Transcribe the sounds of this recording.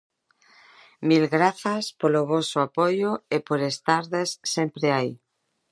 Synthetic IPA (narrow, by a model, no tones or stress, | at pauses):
milɣɾaθaspoloβosoapojoepoɾest̪aɾðesːempɾeaj